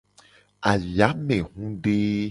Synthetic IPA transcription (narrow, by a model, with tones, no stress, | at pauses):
a˨ja˨˦mẽ˨ɦũ˦ɖe˦